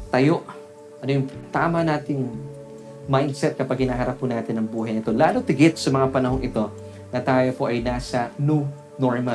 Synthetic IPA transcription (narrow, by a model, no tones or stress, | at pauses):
t̪ɐjo̞ʔ | ʔɐnojʊŋt̪aːmɐnaːt̪ɪŋ | majnd̪̚sɛt̪̚kɐpaɡ̚hɪnaːɦɐɾap̚ʰːunaːt̪ɪnɐŋbuːɦɐjnɪt̪o̞laːlot̪ɪɡɛt̪̚sɐmɐŋapɐnɐɦo̞ŋʔɪt̪o̞ | nɐt̪aːjo̞po̞ʔɐjnaːsɐnu | noɹma